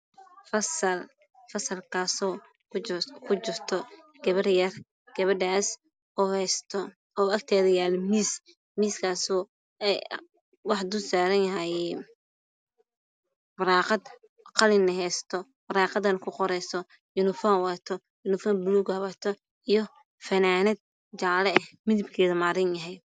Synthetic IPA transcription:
fɐsɐl | fɐsɐlkʰaːsɔ | kʰʊt͡ʃɪrt̪ʰɔ | ɡ̥ɐβɐrjɐr | ɡ̥ɐβɐɖaːs | ɔːhɛst̪ʰɔ | ɔːɐkt̪ʰɛːðɐjaːlmiːs | miːskʰaːsɔː | ɛ | wɑħd̪ʊsaːɾɐnjɐɦɛj | bɐɾɑːqɑd̪ | qɑlɪnːɐɦɛjst̪ʰɔ | bɾɑːqɑðɐnkʰʊqɔɾɛjsɔ | jʊnɪfɔːwɑt̪ʰɔ | jʊnɪfɔːmbluɡhɐβɐt̪ʰɔ | ijɔ | fɐnaːnɛd̪̚ | d͡ʒɑʕlɛɛhmɪðɪbkʰɛːðɐmaːɾɪnjɐɦɛj

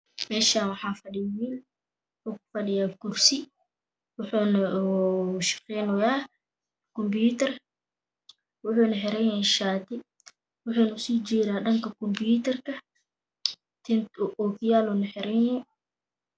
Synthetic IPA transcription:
mɛːʃaːnwɑħɑaːfɐɗɪjiːl | wʊħuːkʊ̥fɐɗɪjaːkʊrsɪ | wʊħuːn | ʃɪ̥qɛnɔjaː | kɔmbjut̪ɛr | wʊħuːnɐħɛɾɛnɛʃaːt̪ɪ | wʊħʊːnʊsiːd͡ʒiːɾaːɗɐŋkɐkɔmbjuːt̪ɐrkʰɐ | t̪ʰɪnʔɔːkɪjaːlunɐħɛɾɛnɛ

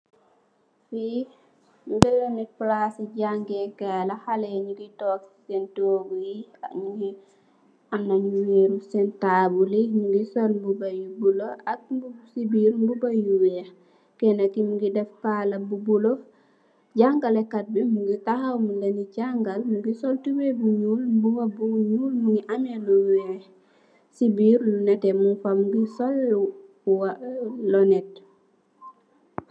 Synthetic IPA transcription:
fi | mbɛlɔnipɾasid͡ʒaŋɡɛkɛːlahalɛɲuɡitɔːfsɛntoːɡujia̰ɲu | ʔanːaɲuweːɾusɛntabulimuŋɡisɔlmbubajubulɔʔak̚mbusibiɾmbubajuwɛh | kɛnakimuɡidɛfpaːlɐbubulo | ɟaŋɡalɛkat̚bimuŋɡitahawmulɐniɟaŋɡalmuɡisɔltuwebuɲuːlbuwɐbuɲuːlmuŋɡiʔamɛnuwɛ | sibiɾlunɛtɛmufamɡisɔl | walɔnɛt̚

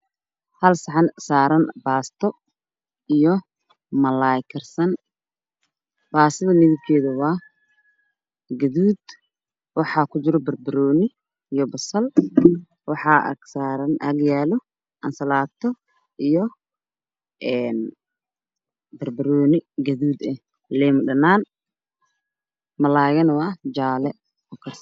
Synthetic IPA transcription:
hɐlsɑʕɑnsaːɾɐnbaːst̪ʰɔ | ijɔ | mɐlajkʰɐrsɐn | b̥aːsɐðɐlɪɣɪbkʰɛːðɐwɑː | ɡɐðuːd̪ | wɑħɑːkʰʊd͡ʒɪɾɔbɐrbɪɾɔːnɪ | ijɔbɐsɐl | wɑħɑʔɐ̰ksaːɾɐnʔɐɡjaːlɔ | ʔɐnsɐlaːt̪ʰɔ | ʔijɔ | ʔɛːn | bɐrbɐɾɔːnɪɡɐðuːd̪ɛ | lɛːmʊɖɐnaːn | mɐlaːjɐnwɑd͡ʒaːlɛ | ɔkʰɐrs

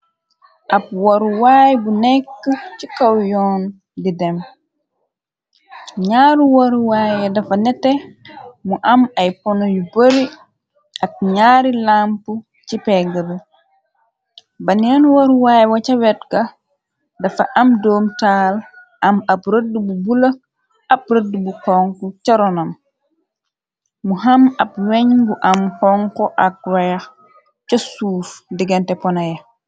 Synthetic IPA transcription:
ʔab̚wɔɾwaːjbunɛkːət͡ʃikawjɔːn | didɛm | ɲaːɾuwɔɾwaːjɛdɐfanɛtːɛmuʔamajpɔnɔjuboɾi | ʔap̚ɲaːɾilampu | t͡ʃipɛɡəb | bɐnɛnwɔɾwaːjwɐt͡ʃɐwɛt̚kɐ | dɐfɐ̰ʔɐmdɔːmtaːl | ʔɐmɐpɾədububulɐ | ɐp̚rədːubukɔŋkucɐɾɔnɐm | muɦɐmɐp̚wɛɲɡuʔɐmkɔŋkɔʔɐk̚wɛjɐx | cɐsuːfdiɡɐntɛpɔnɐjɐ

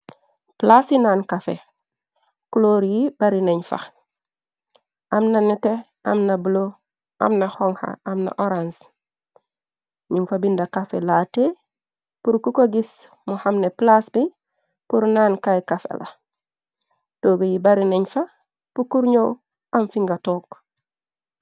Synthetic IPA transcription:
plasinaːnkafḛ | kuloːɾjibaɾineɲfa̰ | ʔamnanite | a̰mnabulo | ʔa̰mnahoŋha̰amna̰ʔoɾans | ɲiŋfabindakafḛlaːte | puɾkukoɡis | muhamneplasbi | puɾnaːnkajkafḛla̰ | toːɡijibaɾineɲfa | pukuɾɲow | amfiŋɡatoːk

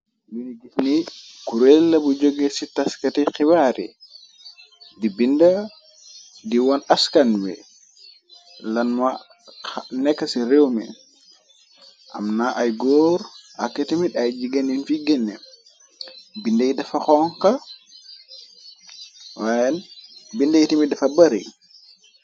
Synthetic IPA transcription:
jiniɡisnikuɾɛlːabud͡ʒɔɡɛsitaskatixiwaɾḭ | dibinda | diwanaskanwɛ̰ | lanma | nɛkːasiɾewmɛ̰ | ʔa̰mnaʔajɡɔɾha̰kːɛtimiɗajd͡ʒiɡaninfiɡɛnːɛ | bindajidafaxɔŋka | wajɛnbindajitimidafabaɾḭj

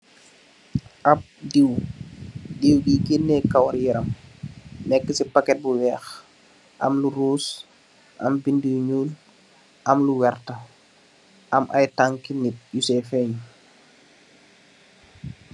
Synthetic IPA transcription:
ʔɐp̚diw | diwɡiɡinːɛkɐwɐɾjiɾɐm | nɛkːəsipakɛt̚buwɛːx | ʔɐ̰mluɾuːs | ʔɐ̰mbindiɲuːl | ʔɐmluwɛrtɐ | ʔɐmʔɐ̰jtaŋkinit̚jusɛfɛɲ

